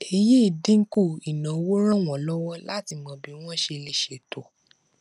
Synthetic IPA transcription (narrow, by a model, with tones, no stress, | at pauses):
e˧je˦i˦˨dĩ˦ku˦˨i˨nã˨˦wo˦ɾ̃ã˦˨w̃ɔ̃˨lɔ˦wɔ˦la˦ti˧mɔ̃˧bi˨˦w̃ɔ̃˦ʃe˧le˦ʃe˨to˨